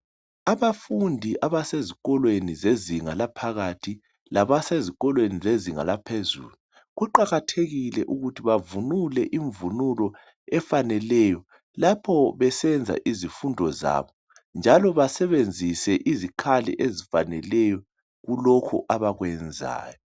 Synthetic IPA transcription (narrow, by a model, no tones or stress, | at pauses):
aβafundʱiʔaβaseziɣʼɔlwenizeziŋalapʰaɣatʰi | laβaseziɣɔlwenizeziŋa̰lapʰezṵːlu | ɣuǃaɣatʰeɣilɛʔuɣutʰiβavunulɛʔiɱvunulɔ | ɛfanɛlɛjɔ | lapʰɔβɛsɛnd͡zʱa̰ʔizifundʱɔza̰βɔ | nd͡ʒʱalɔβasɛβend͡zʱisɛʔizikʰalɛ̰ʔezifanɛlɛjɔ | ɣulɔkʰṵʔaβaɣwɛnd͡zʱa̰ːjɔ